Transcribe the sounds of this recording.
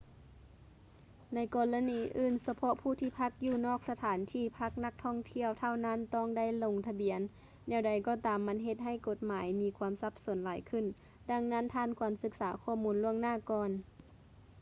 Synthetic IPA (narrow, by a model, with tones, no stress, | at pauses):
na˧˥jkɔː˧˩la˧˥niː˨˧˦ʔɯː˧˩˨nsa˧pʰɔ˧˥ʔpʰuː˧˩t̪ʰiː˧˩pʰa˧˥k̚juː˧˩nɔː˥˩k̚sa˧t̪ʰaː˨˦nt̪ʰiː˧˩pʰa˧˥k̚na˧˥k̚t̪ʰɔ˧˥˩ŋt̪ʰi˧˨əwt̪ʰa˧˩˨wna˧˥˨nt̪ɔː˧˩ŋda˧˥˨jlo˧ŋt̪ʰa˧bi˨˩˦ənː | ɛː˧˩wda˨˦jkɔː˧˩t̪aː˨˦mːa˧˥nɦe˧t̪̚ɦa˧˩˨jko˧˦t̪̚maː˨˦jmiː˧˥kʰwaː˧˥msa˧˦p̚so˩˦nlaː˨˦jkʰɯ˧˥˨n | da˧˥ŋna˧˥˨nt̪ʰaː˧˥˨nkʰɔː˨˩˦nsɯ˧˥k̚saː˩˦kʰɔː˧˩muː˧˦nlu˧˩əŋnaː˧˥˩kɔː˧n